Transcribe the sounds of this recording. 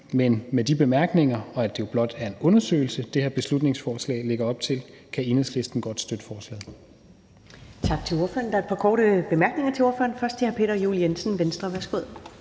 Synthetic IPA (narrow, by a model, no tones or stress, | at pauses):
menmed̥ib̥e̝mæɐɡ̥ne̝ŋɐɒ̽æd̥e̝ob̥lɒ̽d̥æɐe̝nɔ̽nɐsø̰ːɪl̩səd̥eheɐb̥e̝slud̥ne̝ŋsfɒːslɛ̰ːle̝ɡ̥ɐɒ̽b̥̚t͡sʰe̝l | kʰæinəsle̝sd̥n̩ɡ̥ɒ̽d̥sd̥ød̥ə̥fɒːslɛ̰ːðˠ | t͡sʰɑ̈ɡ̥̚t͡sʰe̝lo̝ɐfø̰ɐ̰n̩d̥ɑ̈ɐd̥̚pʰɑ̈kʰɒːɾ̥əb̥e̝mæɐɡ̥ne̝ŋɐt͡sʰe̝o̝ɐfø̰ɐnfɶɐsd̥ʰehæɐpʰe̝̰ːɾ̥ɐjṵːljensn̩ʋensd̥ʁɐʋæɐsɡ̥oð̞̰ˠ